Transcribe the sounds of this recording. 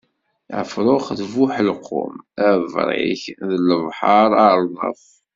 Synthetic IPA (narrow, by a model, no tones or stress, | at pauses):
æ̰fɾˤoχðvuħlqʰːʊ̰mævɾˤḭçðələvħɑɾˤɑɾˤðˤɑ̰f